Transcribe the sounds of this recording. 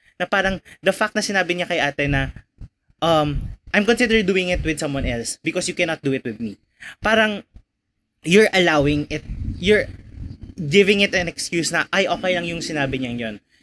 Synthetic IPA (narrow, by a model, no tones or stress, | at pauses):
nɐpaːɾɐŋd̪ɐfak̚t̪̚nɐsɪnaːbɪɲɐkɐjʔaːt̪ɛnɐ | ʔɐmʔɐjmkɔ̃nsɪd̪əɹd̪uːɪ̃ŋɪt̪wɪd̪sɐ̃mwɐ̃nɛlsbɪkɔsjʊkɛnɐt̪̚d̪uɪt̪wɪd̪̚mi | paːɾɐŋ | jʊɹʔɐlawɪŋɪt̪̚jʊɹ | ɡɪvɪ̃ŋɪt̪ɐ̃nɛkskjuːsnɐʔɐjʔo̞ːkɐjlɐŋjʊŋsɪnaːbɪɲɐŋjon